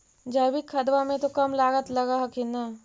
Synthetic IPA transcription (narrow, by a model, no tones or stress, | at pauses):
d͡ʒabikʰːɐd̪ʋamẽt̪okɐmlaːɡət̪lɐɡaɦɐkina